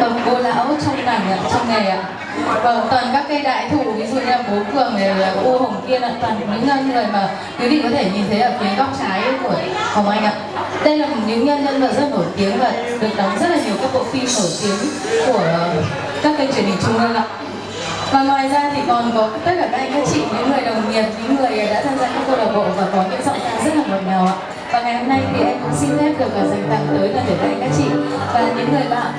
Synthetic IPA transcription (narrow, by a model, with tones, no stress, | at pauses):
ə˨˩vo˧la̰ː˧˥wt͡ɕɔ˧wŋ͡mnaː˨˩ŋa˨˩t͡ɕɔ˧wŋ͡mŋe˨˩ʔa̰ː˧˨ | vaː˨˩t̪waː˨˩nkaː˦˥k̚ːə˧jɗa̰ː˧˨jt̪ʰṵ˧˩vi˨˦zṵ˧˨ɲ˧la˨˩ko˨˦kɨ˧˨əŋe˨˩aː˨˩ʔo˧hə˨˩wŋ͡mt̪i˧ənʔa̰ː˧˩t̪waː˨˩n˨˩ɲɨ̰˧˥ŋɲə˧n˧˩zə̰˧˨jmaː˨˩ | kɨ˨˦ɗ̪ḭ˧˨kɔ˨˦t̪ʰe˧˩ɲi˨˩nt̪ʰə˨˦ʔəː˧˩kwi˨˦nka˦˥wŋ͡mt͡ɕaː˨˦jʔku˧˩əhə˨˩ŋ͡mʔa˨˧jŋ̟ʔa̰ː˧˨ | ɗə˧jlaː˨˩mo˨˩ɲɨ̰˧˦˥ŋɲə˧nzə̰˧nvəː˨˩zə˦˥t̚no˧˩t̪i˨˦əŋvəː˧˨˩ɗɨ˨˩ək̚ɗə˨˦wŋ͡mzə˦˥t̚laː˨˩ɲi˨˩əwkaː˨˦˥k̚ɓo̰˧˩fi˧mno˧˩jt̪i˨˦əŋ | ku˧˩ə˨˩ | kaː˦˥k̚kə˧ŋt͡ɕwi˧˩əni˨˩t͡ɕʊ˧ŋ͡mʔəː˧ŋʔa̰ː˧˨ | vaː˨˩ŋwaː˨˩jzaː˧t̪ʰi˨˩kɔ˨˩nkɔ˨˦t̪ə˦˥t̚kaː˧˩˧ŋkaː˨˦˥k̚t͡ɕḭ˧˨ɲɨ̰˧˥ŋːɨ˨˩əjɗə˨˩wɲi˨˩əp̚ɲɨ̰˧˥ŋŋɨ˨˩əjɗa̰ː˧˥t̪ʰaː˧mzaː˧kaː˦˥kːə˧ɗə˨˩ɓo̰ː˧˨vaː˨˩kɔ˨˦ɲɨ̰˧˥ŋzɔ̰˧˨ŋ͡msa˧ŋzə˦˥t̚haː˨˩ɗə̰˧˨w̚naː˨˩wʔa̰ː˧˨ | vaː˨˩ŋa˨˩jho˧mna˧jt̪ʰi˨˩ʔa˧jŋkʊ̰˧˥ŋ͡msi˧ntɛ˦˥p̚ɗɨ˨˩ək̚aː˨˩za˨˩jŋ̟t̪a̰˧˨ŋt̪əː˨˦jlaː˨˩t̪əː˧˩ʔ̪aː˧ŋkaː˦k̚t͡ɕḭ˧˨vaː˨˩ɲɨ̰˧˥ŋːɨ˨˩əjɓa̰ː˧˨n